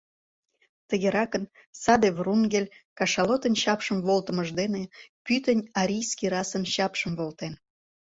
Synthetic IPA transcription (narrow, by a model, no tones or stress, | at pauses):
t̪əɣeɾɑkən | sɑd̪evrunɡʲelʲkɑʃɑlot̪ənɕɑpʃəmvolt̪ə̆məʒd̪enepyt̪ənʲɑɾʲijskʲiɾɑsənɕɑpʃəmvolˠt̪en